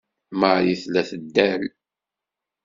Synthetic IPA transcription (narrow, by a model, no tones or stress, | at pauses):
məʕɾiθlæθəd̪ːæl